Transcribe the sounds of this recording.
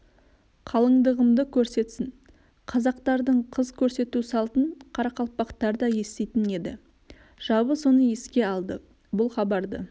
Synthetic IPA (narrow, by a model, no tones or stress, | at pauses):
qʰɑlˠəɴd̪əʁəmd̪əkʲʰɵɾse̞t̪sɪn | qʰɑzɑqt̪ɑɾd̪əɴqʰəzkʲʰɵɾse̞t̪usɑlˠt̪əɴqʰɑɾɑqɑl̚ˠpɑqt̪ɑɾd̪ɑje̞st̪e̞jt̪ɪne̞d̪ɪ | ʒ̥ɑbəso̞nəje̞skʲe̞ɑlˠd̪ə | bʊlˠχɑbɑɾd̪ə̰